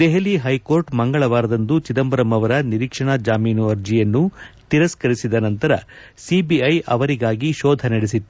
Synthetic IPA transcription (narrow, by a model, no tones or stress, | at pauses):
d̪ɛɦeliɦɐjkoːɾʈmɐŋɡɐɭɐʋaːɾɐd̪ɐnd̪ut͡ʃid̪ɐmbɐɾɐmɐʋɐɾɐniɾiːkʂɐɳad͡ʒaːmiːnuɐɾd͡ʒijɐnːut̪iɾɐskɐɾisid̪ɐnɐnt̪ɐɾɐ̰ | sibiɐjʔɐ̰ʋɐɾiɡaːɡiʃɔːd̪ʱɐnɐɽisit̪ːu